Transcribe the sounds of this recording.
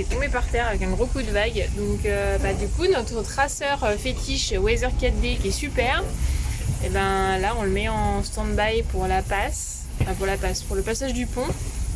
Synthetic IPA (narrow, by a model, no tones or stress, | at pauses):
ɛt̪ɔ̃bepaʁt̪ɛʁavɛkɛ̃ɡʁokud̪əvaɡd̪ɔ̃købad̪ykunɔt̪χət̪χasœʁøfet̪iʃwɛzœʁkat̪̚d̪ekʲiɛsypɛʁ | ebɛ̃laɔ̃ləmɛɑ̃st̪ɑ̃d̪bajpuʁlapas | fɛ̃puʁlapaspuʁləpasaʒd̪ypɔ̃